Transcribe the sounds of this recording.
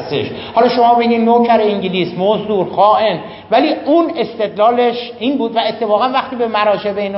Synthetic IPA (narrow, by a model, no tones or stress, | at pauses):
st̪ḛʃhɒlɒːʃo̞mɒːbe̞ɟiːnnocʰæɾeiŋɟiliːsmozd̪uːɾxɒːʔen | væliːune̞st̪e̞d̪lɒːleʃiːnbuːd̪væe̞t̪ʰːe̞fɒːɣænvæxt̪iːbe̞mæɾɒːʃebein